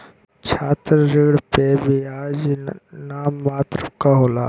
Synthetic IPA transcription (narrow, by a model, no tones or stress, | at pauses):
t͡ʃʰaːt̪ɾɾɪɡɽpebʱiaːd͡ʒnaːmːaːt̪ɾəkaɦoːla̰ː